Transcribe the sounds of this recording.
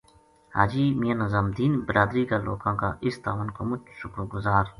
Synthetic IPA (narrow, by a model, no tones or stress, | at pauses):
ha̰ːd͡ʒiːmijanɐzɐmd̪iːnbɪɾaːd̪ɾiːkaloːkãːka̰ʔɪst̪aːʋankomʊt͡ʃʃʊkɾɡʊzaːɾ